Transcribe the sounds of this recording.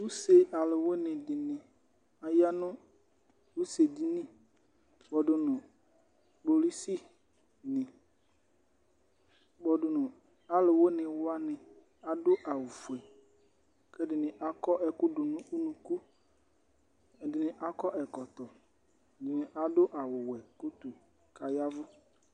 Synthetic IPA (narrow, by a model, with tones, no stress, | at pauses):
wu˦se˨a˨lɪ˨wo˦nɪ̃˨dɪ˨nɪ̃˨ | a˨ja˦nʊ̃˦ | wu˦se˨di˦nĩ˦ | bɔ˨dʊ˨nʊ̃˨ | bo˨li˦si˦ | nɪ̃˨ | bɔ˨dʊ˨nʊ̃˨ | a˨lɪ˨wo˦nɪ̃˨wʊ˦a˦nɪ̃˨ | a˨dʊ˦ʔa˨wʊ˨fu˨ɛ˨ | kɛ˦dɪ˨nɪ̃˨ʔa˦kɔ˦ʔɛ˨kʊ˦dʊ˨nʊ̃˦u˦nũ˨ku˦ | ɛ˨dɪ˨nɪ̃˨ʔa˦kɔ˦ʔɛ˨kɔ˨tɔ˨ | dɪ˨nɪ̃˨ʔa˨dʊ˦ʔa˨wʊ˨wɛ˨kʊ˦tu˨ | ka˨ja˦vʊ˦